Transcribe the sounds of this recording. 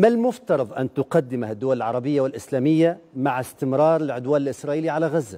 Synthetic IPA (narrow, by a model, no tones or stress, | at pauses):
malmʊft̪ɑɾˤɑðˤʔant̪ʊqɑd̪ːɪmhad̪ːʊwalɪlʕɑ̰ɾˤɑbɪjːawɪlʔɪslaːmɪjːamaʕɪst̪ɪmɾˤɑːɾˤɪlʕʊd̪waːnɪlʔɪsɾˤɑːʔiːliʕalaɣazːa